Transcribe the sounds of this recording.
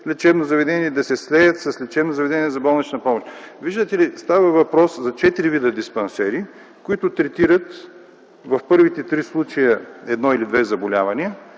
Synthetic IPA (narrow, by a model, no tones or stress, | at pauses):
lɛt͡ʃɛbnozɐvɛd̪ɛnʲiɛd̪ɐsɛslɛjət̪sɐslɛt͡ʃɛbnozɐvɛd̪ɛnʲiɛzɐbɔlˠnɛt͡ʃnəpɔmoʃt̪viʒd̪ət̪ɛlist̪avɐvɐpɾɔszɐt͡ʃɛt̪iɾivid̪əd̪ispɐnsɛɾi | kʊit̪ʊt̪ɾɛt̪iɾət̪ | vɐfpɤɾvit̪ɛt̪ɾislˠut͡ʃɐjəɛd̪nɔilid̪vɛzɐbolʲavɐniə